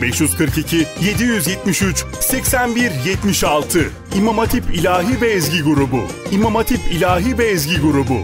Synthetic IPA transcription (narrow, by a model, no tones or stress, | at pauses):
bɛʃjyz̥kʰɯɾkicʰije̞d̪ijyzjɛt̪miʃyt͡ʃ | sɛcsænbiɾjɛt̪miʃalˠt̪ʰɯ | imamat̪ʰipilʲaːɦiːvɛːzɟiɡuɾubʊ̰ | imamat̪ʰipʰilʲaːɦivɛːzɟiɡuɾubʊ